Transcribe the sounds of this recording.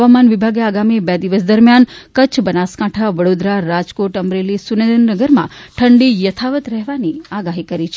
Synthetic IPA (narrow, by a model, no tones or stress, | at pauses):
ʋamanʋibʱaɡeaɡamibed̪iʋəs̬d̪əɾmjankət͡ʃʰbənaskaʈʰaʋəɽod̪ɾaɾad͡ʒkoʈəmɾelisuned̪ənːəɡəɾmã̰ʈʰəɳɖijət̪ʰaʋət̪ɾɛɦʋaniaɡaɦikəɾit͡ʃʰe